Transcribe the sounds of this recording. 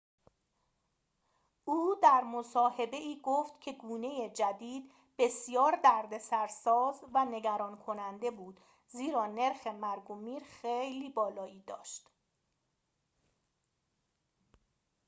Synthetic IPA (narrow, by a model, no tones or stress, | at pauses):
ʔuːd̪æɾmosɒːhe̞be̞iːɡoːft̪cʰe̞ɡuːne̞jed͡ʒæd̪iːd̪ | be̞sjɒːɾd̪æɾd̪e̞sæɾsɒːzvæne̞ɟæɾɒːnkʰo̞nænd̪e̞buːd̪̥ | ziːɾɒːne̞ɾxe̞mæɾɡomiːɾxejliːbɒːlɒːiːd̪ɒ̰ːʃt̪